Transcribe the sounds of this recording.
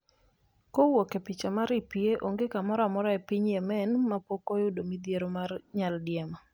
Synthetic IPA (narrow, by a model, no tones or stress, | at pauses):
kowokepɪt͡ʃamaɾipieʔoŋɡekamɔɾɔamɔɾɔɛpɪɲjɛmɛnmapokojʊdomid̪jeɾomarɲaldɪjɛma